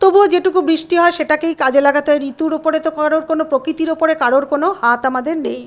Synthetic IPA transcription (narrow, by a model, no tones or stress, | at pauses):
t̪obuod͡ʑeʈukubɾiʃʈiɦɔeʃeʈakejkad͡ʑelaɡat̪ɔeɾit̪uɾopoɾet̪okaɾoɾkonopɾokɾit̪iɾopoɾekaɽoɾkonohat̪amad̪eɾnej